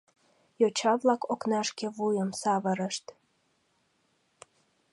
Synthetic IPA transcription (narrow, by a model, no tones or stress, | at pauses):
jot͡ɕɑβlɑkoknɑʃkeβujəmsɑβəɾəʃt̪